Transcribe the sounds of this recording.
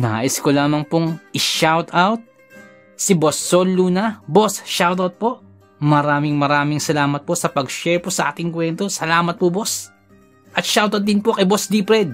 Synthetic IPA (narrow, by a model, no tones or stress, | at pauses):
naʔɪskolaːmɐŋpoŋʔɪʃawt̪awt̪̚ | sɪbosːolːuːnɐbosʃawt̪ɐwt̪̚po̞ʔ | mɐɾaːmɪŋmɐɾaːmɪŋsɐlaːmɐt̪̚po̞sɐpɐɡʃɛɹposɐʔaːt̪ɪŋkwɛnt̪o̞sɐlaːmɐt̪̚pobo̞s | ʔɐt̪̚ʃawt̪ɐt̪̚d̪ɪnpokɐjbosd̪iːpɾɛd̪̚